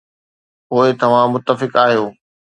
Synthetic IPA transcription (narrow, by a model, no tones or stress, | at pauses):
poːɪt̪ɐʋ̤ãmʊt̪ːəfɪkaːɦijoː